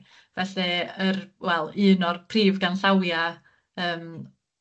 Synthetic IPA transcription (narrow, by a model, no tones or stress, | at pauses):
vɛɬɛərwɛlˠɨːnɔrpʰriːvɡanɬawja | əːm